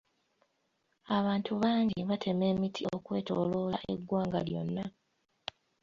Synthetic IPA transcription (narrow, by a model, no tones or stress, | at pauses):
aβaːntʰuβaːɲɟiβatʰe̞me̞ːmitʰiokwe̞ːto̞̰ːlo̞ːlaʔe̞̰ɡːwaːŋɡa̰ljo̞̰nːa